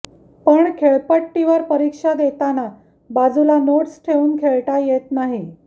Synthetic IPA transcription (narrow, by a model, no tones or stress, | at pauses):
pəɳkʰeɭpəʈːiʋəɾpəɾikʂad̪et̪ana | bad͡zulanoʈsʈʰeʋuːnkʰeɭʈajet̪naɦi